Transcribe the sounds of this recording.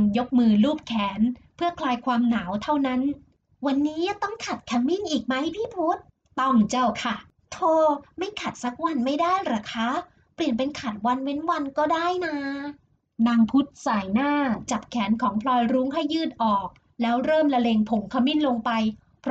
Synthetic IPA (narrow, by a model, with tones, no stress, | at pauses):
ŋjo˦˥k̚mɯː˧luː˥˩p̚kʰɛː˩˦npʰɯ˥˩ɐəkʰlaː˧jkʰwaː˧mnaː˩˦wt̪ʰa˥˩wna˦˥n | wa˧nːiː˦˥ja˧t̪ɔ˥˩ŋkʰa˨˩t̪̚kʰɛː˧˥mːi˥˩nʔiː˨˩k̚ma˦˥jpʰiː˥˩pʰu˦˥t̪̚ | t̪ɔ˥˩ŋt͡ɕa˥˩wkʰa˥˩ | t̪ʰoː˧˩ma˥˩jkʰa˨˩t̪̚sa˦˥k̚wa˧nma˥˩jdaː˥˩jɾaː˧kʰaː˦˥ | pli˨˩ənp̬e˧nkʰa˨˩t̪̚wa˧nwe˦˥nwa˧nkɔː˥˩daː˥˩jnaː˧ | naː˧ŋpʰu˦˥t̪̚saː˨˩jnaː˥˩t͡ɕa˨˩p̚kʰɛː˩˦nkʰɔː˩˦ŋpʰlɔː˧jɾuː˦˥ŋɦa˥˩jːɯː˥˩t̪̚ʔɔː˨˩k̚ | lɛː˦˥wɾɤː˥˩mla˧leː˧ŋpʰo˨˩˦ŋkʰa˧mːiː˥˩nlo˧ŋpa˧j | pʰ